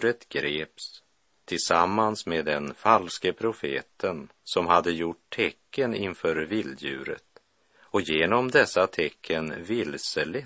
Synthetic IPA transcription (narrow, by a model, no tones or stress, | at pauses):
ɾət̪ɡ̥ɾeːps | t̪ʰɪlsamːansmeːd̪ɛnfalskəpʰɾʊfeːt̪ʰənsɔmɦad̪ːəjʊʈt̪ʰɛkʰːənɪnfœːɾvɪld̪jʉ̟̰ːɾə̰t̪ | ɔjeːnɔmd̪ɛsːat̪ʰɛkʰːənvɪlsəlɪ